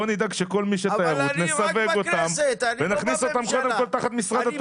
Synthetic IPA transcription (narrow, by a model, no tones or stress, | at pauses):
onid̪aɡʃeko̞lmiʃetajaʁut̪nesaveɡo̞t̪amvenaχniso̞t̪amko̞d̪emko̞lt̪aχat̪misʁadat̪